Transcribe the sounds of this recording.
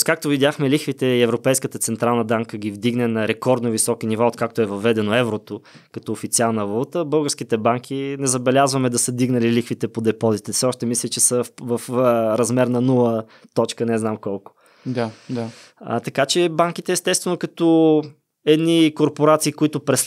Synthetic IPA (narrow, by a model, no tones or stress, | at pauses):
skak̚t̪ovid̪ʲjaxmɛlixvit̪ɛiɛvɾopɛjskət̪ət̪sɛnt̪ɾalˠnəd̪aŋkəɡ̟ʲivd̪iɡnɛnɐɾɛkɔɾd̪novisɔkinivaot̪̚kak̚t̪oɛvɐvɛd̪ɛnoɛvɾot̪o | kɐt̪ɔofit̪sialˠnɐvɐlˠut̪əbɤlˠɡəɾsk̟it̪ɛbaŋk̟ʰʲinɛzɐbɛlʲazvɐmɛd̪ɐsəd̪iɡnɐlilixfit̪ɛpod̪ɛpɔzit̪ɛsɛɔʃt̪ɛmislʲit͡ʃɛsəvəfɾɐzmɛɾnɐnulˠə | t̪ɔt͡ʃkənɛznamkɔlˠkʊ̥ | d̪ad̪a | ə̰t̪ɐkat͡ʃɛbaŋk̟it̪ɛst̪ɛst̪vɛnokɐt̪o | ɛd̪nikoɾpoɾat̪siːkʊit̪ʊpɾɛs